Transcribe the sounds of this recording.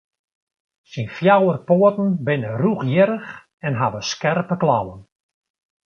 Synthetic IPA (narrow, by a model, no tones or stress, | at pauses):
sinfjawərpoətn̩bɪnəruχjɪɾəx | ɛnɦaʋəskɛrpəklawən